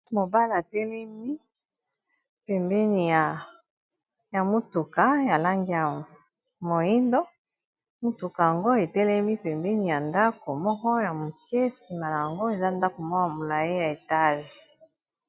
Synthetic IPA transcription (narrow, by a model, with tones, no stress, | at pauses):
mo˨ba˦la˨tɛ˦lɛ˦mi˦ | pɛ˨mbɛ˦ni˨ja˨ | ja˨mo˦tu˨ka˨ja˨la˦ŋɡi˦a˨ | mo˨i˦ndo˦ | mu˦tu˨ka˨ja˨ŋɡo˦e˨tɛ˦lɛ˦mi˦pɛ˨mbɛ˦ni˨ja˨nda˦ko˨mɔ˦kɔ˦ja˨mo˨kɛ˦si˨ma˨la˨ja˨ŋɡo˦e˨za˦nda˦ko˨mɔ˦a˨mo˨la˨ji˦ja˨e˨ta˦ʒi˨